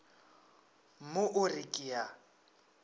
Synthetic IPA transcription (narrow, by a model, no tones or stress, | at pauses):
moʔʊrikʼia